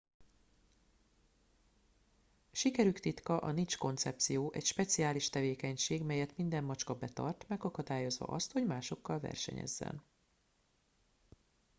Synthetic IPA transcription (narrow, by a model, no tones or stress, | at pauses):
ʃikɛɾykt̪it̪kɒʔɒnint͡ʃko̞nt̪sɛp̚t̪sijoːʔɛcʃpɛt̪sijaːliʃt̪ɛveːkɛɲʃeːɡmɛjɛt̪mind̪ɛmːɒt͡ʃkɒbɛt̪ɒ̰rt̪mɛɡɒkɒd̪aːjo̞zʋɒ̰ʔɒst̪ho̞ɟmaːʃo̞kːɒlvɛ̰rʃɛ̰ɲɛ̰zːɛ̰n